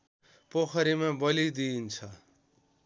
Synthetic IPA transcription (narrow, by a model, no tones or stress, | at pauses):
pokʰʌɾimabʌlid̪iːnt͡sʰʌ